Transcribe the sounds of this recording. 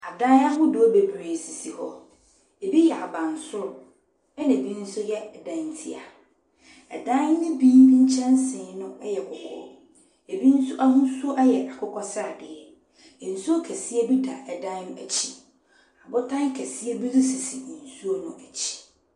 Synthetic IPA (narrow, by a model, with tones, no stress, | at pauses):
a˨dã˦n˦a˦wʊ˦dʊ˨o˦be˨bɾeː˨si˨si˨hɔ˦ | e˨bi˦jɛ˨a˨bã˨n˨sʊ˦ɾʊ˨ | ɛ˦nã˨bi˦n̩˦sʊ˦jɛ˦ɛ˨dã˨˦n˨˦tʰi˦a̰˨ | ɛ̰˨dã˦n˦nɪ̃˦bĩ˦m˦bĩ˦ɲ̩˦t͡ɕʰɛ̃˦n˦sɪ̃˨˦nʊ̃˦ɛ˦jɛ˨kʰʊ˨kʰɔ̰˦ | e˨bi˦n̩˦sʊ˦ʔa˦ɦʊ̃˦su˦o˦ʔɛ˦jɛ˨ʔa˨kʰʊ˦kʰɔ˦sɪ˦ɾa˨dɪ˨ɛ˨ | n̩˨su˦o˦kʰɛ˨si˦ɛ˦bi˦da˨ʔɛ˨dã˦n˦nʊ̃˦æ˨t͡ɕʰi˨ | a˨bʊ˦tʰã˦n˦kʰɛ˨sɪ˦ɛ˦bi˦dʊ˦si˨si˨n̩˨su˦o˦nʊ̃˦ʔæ˨t͡ɕʰi̥˨